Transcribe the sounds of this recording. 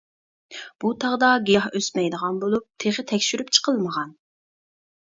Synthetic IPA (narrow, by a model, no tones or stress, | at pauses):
b̥ut̪ʰɑʁd̪ɑɡʲiɑhøsmɛjd̪əʁɑnbolˠup̚t̪ʰeʁət̪ʰɛkʲʃyɾypt͡ʃʰə̥qʰəlˠməʁɑn